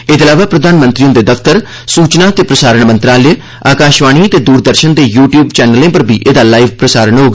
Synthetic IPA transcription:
ɪt̪əlaːʋaːpɾəd̪ʱaːnmə̃nt̪ɾiːõːd̪eːd̪əfʰt̪əɾ | suːt͡ʃnaːt̪eːpɾəsaːɾəɳmə̃nt̪ɾaːlə | aːkaːʃʋaːɽ̃iːət̪eːd̪uːɾd̪əɾʃənd̪eːjuːʈjuːbt͡ʃɛːnəlẽːpəɾbʱiːʔeːd̪aːlaːiːʋpɾəsaːɾəɳɦoːɡa

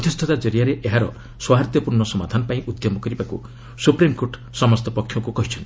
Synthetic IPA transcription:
ɔt̪ʰjust̪ʰɔt̪ad͡ʒɔɾijaɾeʔeɦaɾɔ | swaɦaɾt̪jɔpuɾɳɔsɔmad̪ʱanɔpaĩʔud̪jɔmɔkɔɾibakṵ | supɾimkoɾʈ | sɔmɔst̪ɔpɔkʰːjɔkukɔɦit͡ʃʰɔnt̪i̥

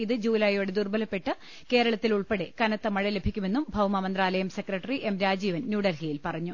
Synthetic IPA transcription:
iðɨd͡ʑuːlɐjo̞ːɽed̪urbɐlɐpːe̞ʈːɨ | ke̞ːɾɐɭɐt̪ːiluɭpeɽekɐnɐt̪ːɐmɐɻele̞bʱikʲːume̞nːumbʱɐwmɐmɐnd̪raːlɐjɐmse̞krɐʈːɐriʔe̞mɾaːd͡ʑiːʋɐnnjuːɽɐlɦijilpɐrɐɲːu

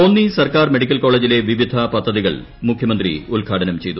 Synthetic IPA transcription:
onːisɐrkaːrmeɽikʲːɐlko̞ːɭeːd͡ʑile̞ʋiʋid̪ʱɐpɐd̪ʱːɐðiɣɐɭ | mukʰjɐmɐnd̪rḭulɡʱaːʈʰɐnɐmt͡ɕe̞jt̪u

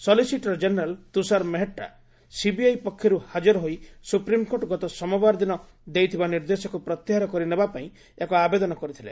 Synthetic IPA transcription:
sɔlisiʈɾɔd͡ʒeneɾalt̪usaɾmeɦeʈːa̰ | sibiajpɔkʰːjɔɾuhad͡ʒɔɾɔɦoisupɾimkoʈɔɡɔt̪ɔsɔmɔbaɾd̪inɔ | d̪ejt̪ʰibaniɾd̪esɔkupɾɔt̪ːjiɦaɾɔkɔɾinebapaĩ | ekɔabed̪ɔnɔkɔɾit̪ʰilḛ

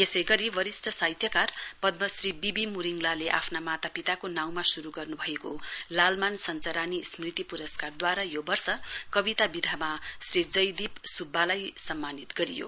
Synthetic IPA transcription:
esʌjɡʌɾiwʌɾisʈʰʌsajt̪ʰjʌkarpʌd̪̚mʌsribibimuɾiŋlaleʔa̰pʰnamat̪apit̪akonaw̃masuɾuɡʌrnubʱʌekolalmansʌnt͡sʌɾanismrit̪ipuɾʌskard̪waɾajobʌrsʌkʌbit̪abid̪ʱamasrid͡zʌjd̪ipsubʱːalajsʌmːanit̪ɡʌɾijo̰

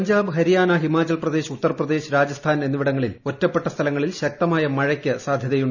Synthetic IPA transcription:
ɐɲd͡ʑaːbɨɦɐɾijaːnaɦimaːt͡ɕːɐlprɐd̪e̞ːɕut̪ːɐrprɐd̪e̞ːɕɨɾaːd͡ʑɐst̪ʰaːne̞nːuʋiɽɐŋːɐɭilo̞tːɐpːe̞ʈːɐst̪ʰɐlɐŋːɐɭilɕɐk̚t̪ɐmaːjɐmɐɻɐkʲːɐsaːd̪ʱjɐðɐjuɳɖ

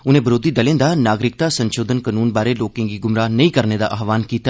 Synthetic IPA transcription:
ʊnẽːbəɾoːd̪iːd̪əlẽːd̪aːnaːɡɾɪk̚t̪aːsənʃoːd̪ənkənuːnbaːɾeːloːkẽːɡiːɡʊmɾaːnəĩkəɾneːd̪a̰ːʔaːʋaːnkiːt̪a

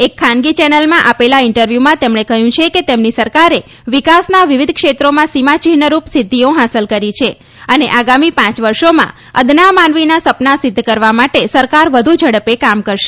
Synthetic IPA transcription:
ekʰːãnɡit͡ʃɛnəlmãʔapelaɪɳʈəɾʋjumãt̪emɳ̃ekəɦjũt͡ʃʰeket̪emnisəɾkaɾe | ʋikasnaʋiʋid̪ʱkʃet̪ɾomãsimãt͡ʃiɦnəɾupsɪd̪ʱːioɦasəlkəɾit͡ʃʰe | əneʔaɡamipãt͡ʃʋəɾʃomã̰ | əd̪namanʋinasəpnasɪd̪ʱːkəɾʋamaʈesəɾkaɾʋəd̪ʱud͡ʒəɽəpekamkəɾʃe̥

